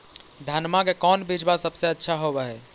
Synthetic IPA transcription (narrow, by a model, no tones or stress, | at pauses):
d̪ʱanmakekɔnbid͡ʒbasəbseətːʃʰaɦobɛɦɛ